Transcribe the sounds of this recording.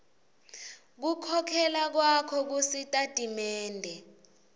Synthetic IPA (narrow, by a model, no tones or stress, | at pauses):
k̬ukʰɔkʰɛlak̬wakʰɔk̬usitʼatʼimɛːndʱɛ